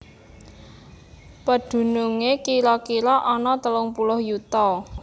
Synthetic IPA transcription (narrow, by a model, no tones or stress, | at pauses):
pəd̪̥ṳnuŋekilɔkilɔʔɔnɔt̪əlʊŋpulʊhjut̪ɔ